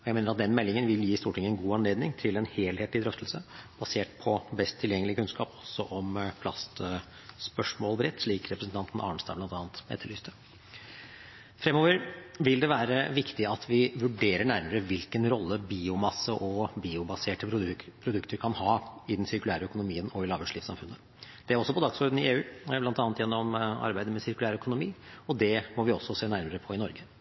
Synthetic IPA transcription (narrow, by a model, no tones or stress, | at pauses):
ɔjæɪmeːnəɾɑt̪̚d̪ɛnmɛlːɪŋənʋɪljiːst̪uːʈʰɪŋəɛnɡuːɑnleːd̪nɪŋt̪ʰɪlɛnheːlheːt̪ɪd̪ɾœft̪əlsəb̥ɑseːʈpʰɔbɛst̪ʰːɪljɛŋːəlɪəkʰʉnskɑːpɔ̥sːɔʔɔmpʰlɑst̪ | spœʂmoːlbɾɛt̪ːʂɭiːkɾɛpɾəsn̩t̪ɑnt̪n̩ʔɑ̰ːəɳst̪ɑ̰ːblɑnt̪ɑːnt̪ɛ̰t̪ʰːəɭyːst̪ʰə | fɾɛmoːʋəɾʋɪld̪ɛʋæːɾəʋɪkt̪ɪɑt̪ʰʋɪʋʉɖeːɾəɳæɾməɾəʋɪlkənɾɔlːəbiːʊmɑsːəʔɔbiːʊbɑseːʈəpʰɾʊd̪ʉkt̪əɾkʰɑnhɑːɪd̪ɛnsɪɾkʉlæːɾəœkʊnʊmiːənɔɪlɑːʋʉʂliːsɑ̰mfʉnːə | d̪̥ɛæɾɔsːɔpʰɔd̪ɑɡsɔːɾd̪n̩ɪeːʉːblɑnt̪ɑːnt̪jɛnːɔmɑ̰ɾbæɪd̪əmɛsɪɾkʉlæːɾœkʊnʊmiːɔd̪ɛmɔʋɪɔsːɔseːnæɾməɾəpʰɔɪnɔɾɡə